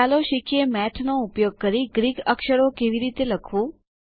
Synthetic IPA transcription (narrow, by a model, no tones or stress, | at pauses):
aloʃikjemɛʈʰnoupjoɡ̚kəɾiɡɾiɡəkʃəɾokeʋiɾit̪eləkʰʋũ